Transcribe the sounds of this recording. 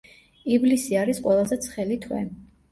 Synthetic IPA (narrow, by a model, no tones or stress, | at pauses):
iblisiaɾisqʼwɛlˠazɛt̪sʰχɛlit̪ʰwɛ̰